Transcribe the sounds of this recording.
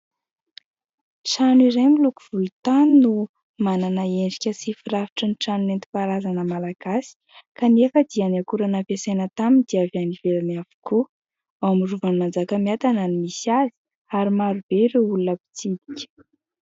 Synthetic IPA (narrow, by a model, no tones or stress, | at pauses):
ʈ͡ʂaniɾajmilukuv̥ulut̪aninu | mananaeɳɖ͡ʐikʲəsifirafi̥ʈ͡ʂəniʈ͡ʂanunent̪i̥paɾazanəmalaɡ̥asi̥kanefəd̪ianakuɾanapesajnət̪amind̪iavaniveɾanavu̥ku | awmuruvanimand͡zakəmiat̪ananimisiazi̥ | aɾimaɾub̥eɾeulunəpi̥t͡sid̪i̥kʲə̥